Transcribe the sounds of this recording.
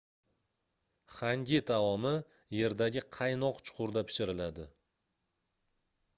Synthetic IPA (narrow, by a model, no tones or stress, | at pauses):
χaŋɡʲɪt̪ʰavɒmɪ | je̞ɾd̪aɡʲɪqʰɑjnɒqt͡ʃʰʊ̥qʰʊɾd̪apʰɪ̥ʃɪɾɪlad̪ɪ